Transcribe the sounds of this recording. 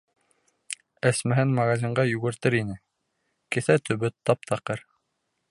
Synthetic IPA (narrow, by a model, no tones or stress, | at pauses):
æsmæɦɘnmɐɣazʲiɴɢɑjʉɣɘ̆ɾt̪ɘɾinɘ | kɘ̆θæt̪ɵ̆βɵt̪ːɑp̚t̪ʰɑqɤɾ